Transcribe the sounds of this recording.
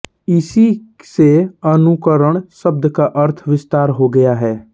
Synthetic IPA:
ɪsiseənʊkəɾəɽ̃səb̚d̪kaʔəɾt̪ʰʋɪst̪aːɾɦoɡɐjaɦɛː

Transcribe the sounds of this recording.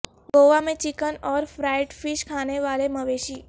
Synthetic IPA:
ɡoʋamẽt͡ʃɪkənɔːɾfɾaɪʈfɪʃkʰaneʋaːleməʋeʃiː

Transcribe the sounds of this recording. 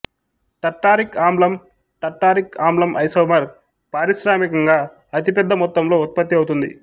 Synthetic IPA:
ʈɐʈːaːɾikaːmlɐm | ʈɐʈːaːɾikaːmblɐmʔɐ̰jsɐːmɐɾ | paːɾiʃɾaːmikɐŋɡaː | ɐt̪̬ipɛd̪ːɐmɔt̪ːɐmlo̞ːut̪̚pɐt̪ːiɐwut̪und̪ḭ

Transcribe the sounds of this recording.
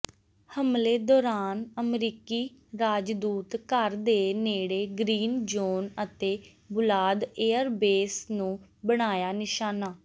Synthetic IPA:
həmleːd̪ɔːɾaːnəmɾiːkiːɾaːd͡ʒd̪uːt̪kəɾd̪eːneːɽeːɡɾiːnd͡ʒoːnət̪eː | bʊlaːd̪eːəɾbeːsnũːbəɽ̃aːjaːnɪʃaːnaː

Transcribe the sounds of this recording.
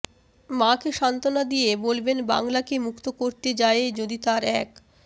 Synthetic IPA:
makeʃant̪onad̪ijebolbenba̰ŋlakemukt̪okoɾt̪ed͡ʑaed͡ʑod̪it̪aɾɛk

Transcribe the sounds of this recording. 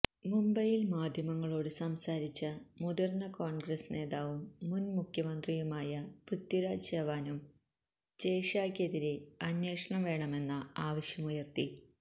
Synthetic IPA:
mumbɐjilmaːd̪ʱjɐmɐŋːɐɭo̞ːɽɨsɐmsaːɾit͡ɕːɐmud̪ɐrnːɐkoːɳɡrɐsne̞ːðaːʋumːunmukʰjɐmɐnd̪rijumaːjɐprɨt̪juɾaːd͡ʑɐʋaːnum | t͡ɕeːʂaːkeðiɾeɐnjeːʂɐɳɐmʋe̞ːɳɐme̞nːɐaːʋɐɕjɐmujɐrt̪i

